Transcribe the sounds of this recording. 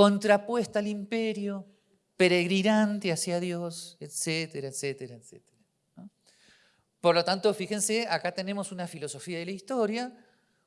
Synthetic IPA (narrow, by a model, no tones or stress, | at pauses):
ko̞nt̪ɾapwe̞st̪aːlimpe̞ɾjo | pe̞ɾe̞ɣɾinant̪easjaðjo̞set̪set̪eɾaet̪set̪eɾaet̪sḛt̪eɾa | no | po̞ɾlo̞t̪ant̪o̞fixe̞nseakat̪e̞ne̞mo̞sunafilo̞so̞fiaðelaist̪o̞ɾja